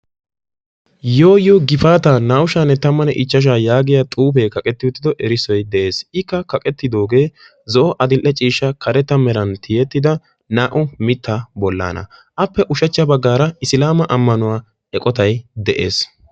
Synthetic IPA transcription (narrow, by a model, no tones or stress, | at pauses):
jo̞ːjoːɡɪfaːt̪anaːwʊʃanːɛt̪ɐmːɐnɛʔɪt͡ʃːɐʃ̬aːjaːɡɪjɐt̪ʼuːf̬eːkɐkʼɛt̪ːɪʊt̪ːɪd̪ɔʔɛɾɪsɔjd̪ɛʔe̞ːsɪkːɐkɐkʼɛt̪ːɪd̪o̞ːɡe̞ː | zɔʔɔʔɐd̪ɪlʔɛt͡ʃʼiːʃːɐkʰɐɾɛt̪ːɐmɛɾɐnt̪ʰɪjɛt̪ːɪd̪ɐ | naːʔʊmɪt̪ːabɔlːa̰ːnɐ̰ʔɐpːɛʔʊʃɐt͡ʃːɐbɐɡːaːɾɐɪsɪlaːmɐʔɐmːɐnʊwaː | ɛkʼɔt̪ɐjd̪ɛʔḛːs